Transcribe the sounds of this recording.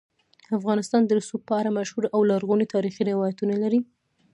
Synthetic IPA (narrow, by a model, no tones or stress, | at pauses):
afɣɑnɪst̪ɑnd̪əsupəaɾamaʃhuɾawlaɾɣunit̪ɑɾixiɾɪwɑjat̪unalaɾi